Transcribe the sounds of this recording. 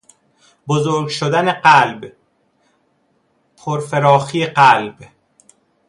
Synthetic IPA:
bozoːɾɡʃod̪æneɢælb | pʰoɾfeɾɒːxiːeɢælb̥

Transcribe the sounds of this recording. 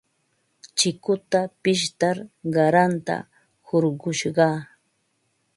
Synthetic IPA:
t͡ʃɪkʊt̪apɪʃt̪aɾɢɑɾant̪a̰ | hoɾɢʊʃɢɑː

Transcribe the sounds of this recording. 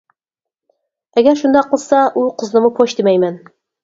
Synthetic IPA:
æɡæɾʃund̪ɑqɤ̆lˠsɑʔuqɤ̆znɤ̆mɤpʰoɕd̪imæjmæn

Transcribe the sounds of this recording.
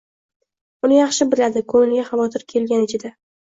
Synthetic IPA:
ʊnɪjɑχʃɪbɪɾad̪ɪkʰɵŋɪnɡʲaχɑvɒt̪ʰɪɾkʲʰe̞lɡʲanɪt͡ʃʰɪd̪a

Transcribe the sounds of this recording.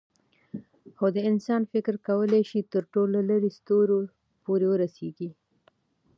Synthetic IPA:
xod̪əɪnsɑnfɪkɾkawəleʃit̪əɾʈolaləɾest̪oɾo | poɾewəɾaseɡi

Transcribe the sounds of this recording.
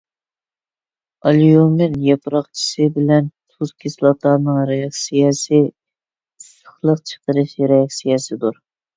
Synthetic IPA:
ɑlijomɪnjɑpɾɑχt͡ʃʰi̥sɨbɪlɛnt̪ʰuzkʲʰislˠɑt̪ʰɑnɨŋɾejɑksijɛsɨ̥ | sə̥χlˠəqt͡ʃʰə̥qəɾɨʃɾejɑksijɛsɨd̪uɾ

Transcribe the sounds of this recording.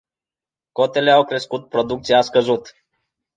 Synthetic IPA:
ko̞t̪e̞leawkɾe̞skut̪̚pɾod̪uk̚t̪sijaskəzut̪

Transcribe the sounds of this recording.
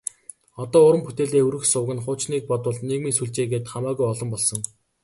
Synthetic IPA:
ɔt̪ɔːʊɾə̆mpʰut̪eːɮeːɵɾɘ̆xsʊwɣɘ̆nχʊːt͡ɕniːk̚pɔt̪ʊ̆ɮneɣmiːsuɮt͡ɕeːɣeːt̪χamaːɣujɔɮɞ̆mpɔɮsɞ̆ŋ

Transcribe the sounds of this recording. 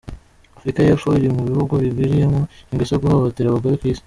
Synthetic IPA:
afɾikajefoiɾimuβihuɡuβibwiɾije̞moiŋɡesoɡuhoβoteɾaβuɡoɾekwiːsi̥

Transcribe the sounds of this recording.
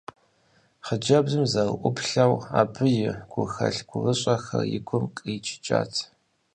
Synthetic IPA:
χəd͡ʒɐbzɨmzɐlʔʷʊpʰɬɐwa̰ːpʰɨjɪɡ̥ʷʊxɐ̰ɬɡ̥ʷʊʁəɕʼɐxɐ̰rjɪ̰kʷʰʊmkʼəːt͡ʃʰʼɪ̥t͡ʃʼa̰ːtʰ

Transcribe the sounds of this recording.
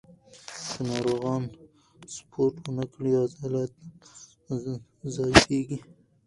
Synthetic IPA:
kənɑɾoɣɑn | spʰoɾʈwənakɽiɑzɑlat̪ | zɑjkeɡi

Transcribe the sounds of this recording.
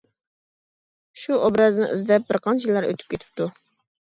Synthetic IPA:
ʃuobɾɑznɨ̰ʔḭzd̪ɛp̚bɪɾqʰɑnt͡ʃʰjilːˠɑɾø̰t̪ʰy̥p̚kʲʰet̪ʰɪ̥p̚t̪ʰu

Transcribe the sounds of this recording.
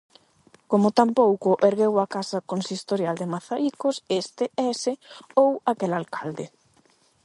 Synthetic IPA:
komʊt̪ampowkʊʔeɾɣewakasɐkonsist̪oɾjald̪ɪmaθaikosest̪eɛsɪowakelalkald̪ɪ

